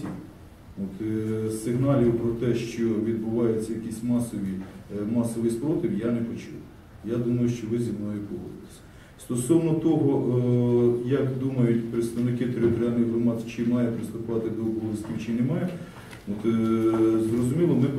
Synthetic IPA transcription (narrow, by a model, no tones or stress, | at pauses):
i | ot̪sɪɦnɑlʲiwpɾɔt̪ɛʃt͡ʃɔʋʲid̪̚bʊʋɑjet͡sʲːɐjɐkʲisʲmɑsɔʋʲimɑsɔʋɪjspɾɔt̪ʲɪwjanɛpɔt͡ʃuw | jad̪umɐjʊʃt͡ʃɔʋɪzʲimnɔjʊpɔɦɔ̰d̪t̪ɪ̥sʲɐ̥ | st̪ɔsɔwnɔt̪ɔɦɔʔ | jɐkd̪umɐjʊtʲpɾet̪st̪ɐʋnɪkɪt̪ɾʲt̪ɾʲɑlʲnɔjɦrɔmɑd̪zt͡ʃɪmɑjɐpɾɪst̪ʊpɑt̪ɪd̪ɔɔbɔlˠɪsʲtʲiwt͡ʃɪnɛmɑjɛ | ot̪ | zrɔzʊmʲilˠɔmɪp